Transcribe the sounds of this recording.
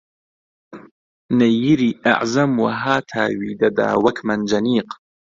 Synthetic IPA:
nɐjiɾiːʔa̰ʕzɐmwɐɦaːt̪ʰaːwiːd̪ɐd̪a̰ːwɐkʰmɐnd͡ʒɐniːq

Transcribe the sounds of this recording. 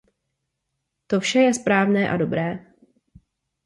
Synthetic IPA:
t̪ofʃɛjɛspɾaːvnɛːʔa̰dobɾɛː

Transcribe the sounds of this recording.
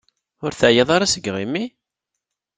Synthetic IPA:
ʊɾθəʕjɑðˤɑɾasəɡʁimːi

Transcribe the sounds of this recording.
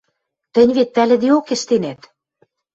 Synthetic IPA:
t̪ə̆nʲβet̪ːælʲĕd̪iokĕʃt̪enet̪

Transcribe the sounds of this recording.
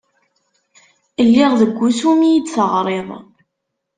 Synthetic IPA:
əlːɪʁðəɡʷːusumijid̪θəʁɾˤeðˤ

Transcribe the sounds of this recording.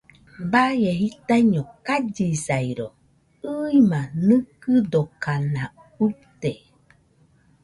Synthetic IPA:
bajeɦit̪aiɲokad͡ʒisaiɾo | ɯimãnɨkɨd̪okanã | ut̪e

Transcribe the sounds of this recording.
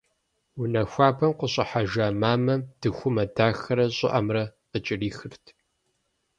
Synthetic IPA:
wunɐxʷaːbʰɐmqʷəɕʼɐħaʒaːmaːmɐmd̥ɨxʷʊmɐdaːxɐɾɐɕʼɪ̰ʔɐmrɐqət͡ʃʼɪriːxɨrtʰ

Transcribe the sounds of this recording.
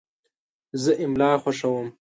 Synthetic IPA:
zəʔɪmlɑːxʷaʂawəm

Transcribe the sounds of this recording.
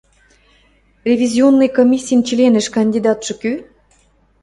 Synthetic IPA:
rʲevʲizʲionːɨjkomʲisʲːijnt͡ɕilʲenɘ̆ʃkɑnʲd̪ʲid̪ɑt̪ʃɤ̆ky

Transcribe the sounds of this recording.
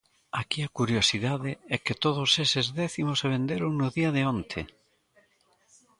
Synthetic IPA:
akiɐkuɾjosiðaðɪɛkɪt̪oðʊsesɪzðɛθimoseβ̞end̪eɾʊŋnʊðiɐðɪõnt̪ʰe

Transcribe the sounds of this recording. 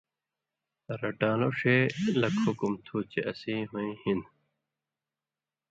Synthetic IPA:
ɾɐʈãːloʂelɐkhukumt̪ʰuːt͡ɕeʔɐsĩːɦuĩhin

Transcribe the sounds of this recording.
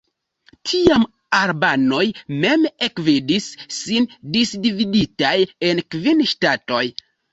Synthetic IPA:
tʰiam | aɾbano̞jme̞me̞kvidisːindisdividitaje̞nkvinʃtato̞j

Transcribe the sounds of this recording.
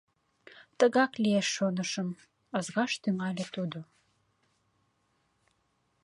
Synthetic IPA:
t̪əɣɑklieʃːonəʃəm | əzɣɑʃt̪yŋælʲet̪ud̪o

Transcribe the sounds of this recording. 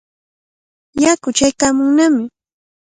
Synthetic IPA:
jakʊt͡ʃajkaːmʊŋnamɪ

